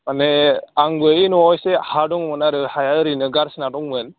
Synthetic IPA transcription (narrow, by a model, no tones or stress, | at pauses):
maneaŋbɯinuɔjsehadɔŋmɯnaɾɯhajaɾinɯɡaɾsinadɔŋmɯn